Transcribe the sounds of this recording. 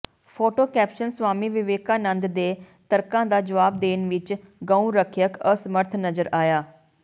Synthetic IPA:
pʰoːʈoːkɛːpʃənsʋaːmiːʋɪʋeːkãːnə̃nd̪d̪eː | t̪əɾkãːd̪aːd͡ʒəʋaːb̚d̪eːnʋɪt͡ʃɡãːũːɾəkʰjəkəsəməɾt̪ʰnəzəɾaːjaː

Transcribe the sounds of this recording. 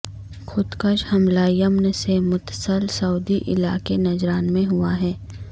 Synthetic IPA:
xʊd̪kəʃhɐmlaːijəmnesemʊt̪səlsɐuːd̪iʔɪla̰ːkenɐd͡ʒɾaːnmẽɦʊaɦɛː

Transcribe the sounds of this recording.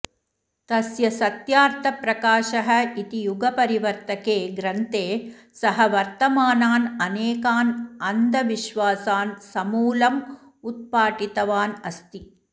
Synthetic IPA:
t̪ɐsjɐsɐt̪jaːɾt̪ʰɐpɾɐkaːʃɐɦɐ̆it̪ijuɡɐpɐɾiʋɐɾt̪ɐkeːɡɾɐnt̪eː | sɐɦɐʋɐɾt̪ɐmaːnaːnɐneːkaːnɐnd̪ʱɐʋiʃʋaːsaːnsɐmuːlɐm | ut̪̚paːʈit̪ɐʋaːnɐst̪i

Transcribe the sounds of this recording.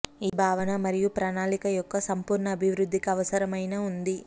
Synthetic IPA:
iːbʱaːʋɐnɐmɐɾijupɾaːnaːlikɐjɔkːɐsɐmpuːɾɳɐːbʱiʋɾud̪ʱːikɐːʋɐsɐɾɐmɐjnɐund̪i

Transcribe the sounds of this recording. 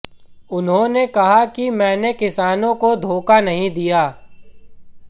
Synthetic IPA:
ʊnɦõnekɐɦakimɛ̃ːnekɪsaːnõkod̪ʱoːkanɐɦĩd̪ijaː

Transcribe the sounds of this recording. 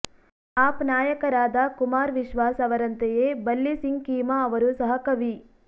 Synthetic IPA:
aːpnaːjɐkɐɾaːd̪ɐkumaːɾʋiʃʋaːsɐʋɐɾɐnt̪ejeːbɐlːisiŋɡkiːmɐːʋɐɾusɐɦɐkɐʋi

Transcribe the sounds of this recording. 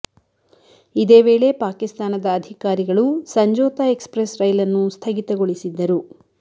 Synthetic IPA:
id̪e̞ːʋe̞ːɭe̞paːkist̪aːnɐd̪ɐːd̪ʱikaːɾiɡɐɭusɐɲd͡ʒɔːt̪ɐekspɾesɾɐjlɐnːust̪ʰɐɡit̪ɐɡoɭisid̪ːɐɾu

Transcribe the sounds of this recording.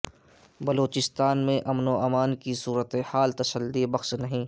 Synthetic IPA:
bɐloːt͡ʃɪst̪aːnmẽʔɐmnoʔɐːmaːnkisuːɾət̪ehaːlt̪ɐsəld̪ibɐxʃnɐɦĩː

